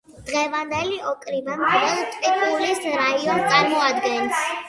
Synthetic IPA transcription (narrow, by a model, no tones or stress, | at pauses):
d̪̥ʁɛvand̪ɛliʔɔkʼɾibankɾɛlˠt̪ʼpʼit̪ʰʼulisɾaiɔnt̪sʼaɾmɔad̪ɡɛns